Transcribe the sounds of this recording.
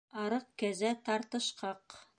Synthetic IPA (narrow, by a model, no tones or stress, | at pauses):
ɑɾɤq̚kæzæt̪ɑɾt̪ɤ̆ʃqɑq